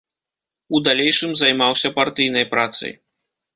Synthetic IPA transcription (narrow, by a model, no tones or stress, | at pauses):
ud̪alʲejʂɨmzajmawsʲɐpart̪ɨjnɐjpɾat̪sɐ̰j